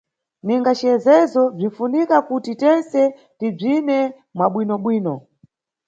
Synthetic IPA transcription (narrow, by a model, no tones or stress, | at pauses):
niŋɡat͡ʃiɛzɛzɔb͡ʐin̩funikakutitɛnsɛ | tib͡ʐinɛ | mwaɓwinɔɓwiːnɔ